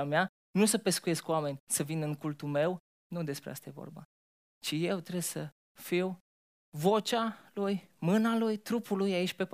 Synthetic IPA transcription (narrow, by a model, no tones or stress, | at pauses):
amea | nusəpe̞skuje̞skuwame̞nʲsəvinɨŋkult̪ulme̞w | nud̪e̞spɾea̰st̪aje̞vo̰rba̰ | t͡ʃije̞wt̪ɾe̞bsə | fiw | vo̞t͡ʃʲalujmɨnalujt̪ɾupulujait͡ʃʲpep